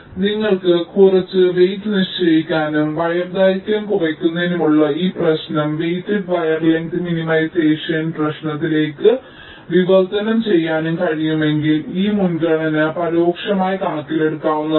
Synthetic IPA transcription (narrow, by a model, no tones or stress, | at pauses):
niŋːɐɭkɨkurɐt͡ɕːɨʋejtːɨniʂt͡ɕɐjikʲːaːnumʋɐjɐrd̪aːjikʲːɐmkurɐkʲːunːɐinumuɭːɐiːprɐɕnɐmʋejtiɖʋɐjɐrleŋɡdɨminimɐjseːʂɐnprɐɕɳɐt̪̬ːile̞ːkːɨ | ʋiʋɐrt̪ɐnɐmt͡ɕe̞jːaːnumkɐɻijume̞ŋɡiliːmunɡɐɳɐnɨpɐɾo̞ːkʂɐmaːjikɐɳɐkːile̞ɽukːaːʋunːɐ